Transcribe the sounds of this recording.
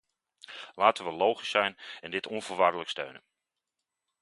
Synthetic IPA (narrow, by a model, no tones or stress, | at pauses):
laːtənʋəlowχisɛjnɛndɪtʰɔnvəɹʋaɹdələkstø̰ɥnən